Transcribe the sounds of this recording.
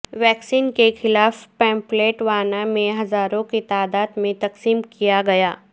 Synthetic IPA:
ʋɛːksiːnkexɪlaːfpɛ̃ːmpleːʈʋaːnamẽɦɐzaːɾõkit̪aːd̪aːd̪mẽt̪ɐqsiːmkijaɡɐjaː

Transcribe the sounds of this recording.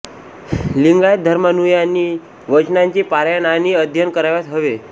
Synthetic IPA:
liŋɡajt̪̚d̪ʱəɾmənujani | ʋət͡ɕnaɲt͡ɕiːpaɾjananiəd̪ʱjənkəɾaʋat̪ɦəʋe

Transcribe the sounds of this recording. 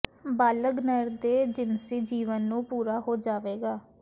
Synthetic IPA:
baːləɡnəɾd̪eːd͡ʒɪnsiːd͡ʒiːʋənːũːpuːɾaːɦoːd͡ʒaːʋeːɡaː

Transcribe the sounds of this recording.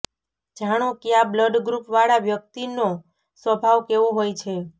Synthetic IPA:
d͡ʒaɽ̃õkeabləɖɡɾupʋaɭaʋjək̚t̪ino | sʋəbʱaʋkeʋõɦojt͡ʃʰe

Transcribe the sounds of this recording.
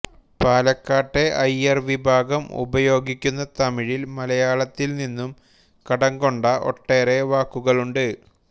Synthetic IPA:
paːlɐkːaːʈːe̞ʔɐjɐrʋibʱaːɡɐmṵbɐjo̞ːɡikʲːunːɐt̪ɐmiɻilmɐlɐjaːɭɐt̪ːilninːum | kɐɽɐŋɡo̞ɳɖɐʔo̞̰ʈːe̞ːɾe̞ʋaːkːuɣɐɭuɳɖɨ

